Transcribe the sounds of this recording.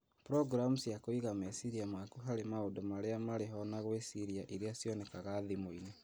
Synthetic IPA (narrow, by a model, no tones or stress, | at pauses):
pɾɔɡɾamusjakoiɣamesiɾiamakuɦaɾemaodɔmaɾeamaɾeɦɔnaɣwesiɾiaʔiɾeasjɔnɛkaɣaðimoine